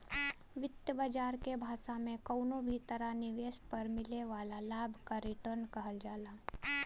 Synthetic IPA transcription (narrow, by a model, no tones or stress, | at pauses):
ʋɪt̪jəbəd͡ʒaːɾkebʱaːsamẽkəːnobʱit̪əɾanɪʋeːspəɾmɪleʋaːlalaːbʱkaɾɪʈəɾnkɐɦəld͡ʒaːlaː